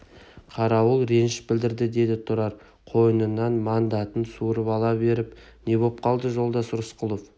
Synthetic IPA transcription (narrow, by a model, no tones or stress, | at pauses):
qʰɑɾɑwʊlˠɾe̞nɪʃbɪld̪ɪɾd̪ɪd̪e̞d̪ɪt̪ʰʊɾɑɾ | qʰo̞jənənːɑnmɑnd̪ɑt̪ənsuɾəpɑlˠɑbe̞ɾɪp̚ne̞βo̞p̚qʰɑlˠd̪əʒo̞lˠd̪ɑsʊɾəsqʰʊlˠof